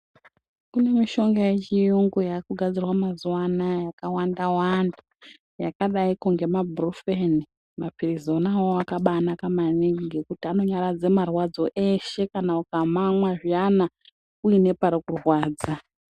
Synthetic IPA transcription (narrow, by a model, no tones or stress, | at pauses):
kune̞miʃo̞ŋɡajet͡ʃijuŋɡujakuɡʱad͡zirwamazuwanajakawandawanda | jakaɗaikuŋɡe̞mabʱrufeni | mapirizo̞nawoakaɓanakamaniiŋɡe̞kutiano̞ɲaɾad͡ze̞marwad͡zo̞ʔe̞ʃe̞kanaukamamwaʐijana | kuine̞paɾokurwaːd͡za